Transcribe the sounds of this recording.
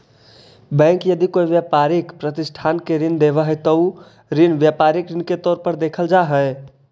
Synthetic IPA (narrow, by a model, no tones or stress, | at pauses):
bɛ̃ŋkjəd̪ikoiʋjapaɾikpɾət̪isʈʰankeɾind̪ebəɦəɪt̪əu | ɾinʋjapaɾikɾinket̪ɔːɾpəɾd̪ekʰəld͡ʒaɦə